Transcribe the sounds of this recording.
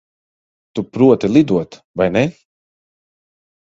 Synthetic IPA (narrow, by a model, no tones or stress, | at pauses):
t̪upɾuɔt̪ilˠid̪uɔt̪ | vajnɛ